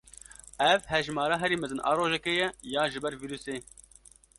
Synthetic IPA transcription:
ɛvhɛʒmɑːɾɑːɦɛɾiːmɛzɨnʔɑ̰ːɾoːʒɛkejɛjaːʒɨbɛɾviːɾuːseː

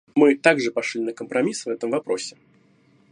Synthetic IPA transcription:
mɨt̪aɡʐɨpaʂlʲinɐkəmpɾamʲisvɛt̪əmvapɾɔsʲɛ

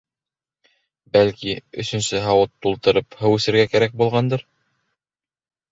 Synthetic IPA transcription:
bælkiɵ̰̆sɵ̆nsɘɦɑwɤt̪ːulˠt̪ɤ̆ɾɤphɤwʉsɘ̆ɾɡækæɾæk̚bulˠʁɑnd̪ɤɾ

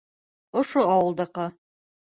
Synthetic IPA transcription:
ŏʃoɑwɤ̆lˠd̪ɑqɤ

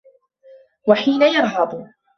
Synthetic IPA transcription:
waħiːnajɑɾˤɦɑd̪ˤ

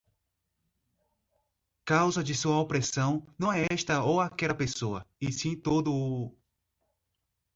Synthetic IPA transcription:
kawzɐd͡ʒɪsuɐopɾesɐ̃w̃nɐ̃w̃ɛɛʃt̪ɐowakɛlɐpesoɐɪsĩt̪od̪ʊ

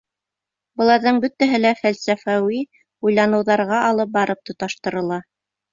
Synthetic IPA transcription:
bɤ̆lˠɑɾðɤɴbɵt̪ːæɦɘlæfælsæfæwi | ujlˠɑnɤ̆wðɑɾʁɑʔɑlˠɤp̚bɑɾɤp̚t̪ŏt̪ɑʃt̪ɤ̆ɾɤ̆lˠɑ

